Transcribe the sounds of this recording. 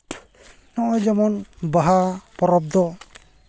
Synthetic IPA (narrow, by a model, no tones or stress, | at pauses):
nɔʔɔjd͡ʒɔmɔnbaɦapɔɾɔb̚d̪ɔ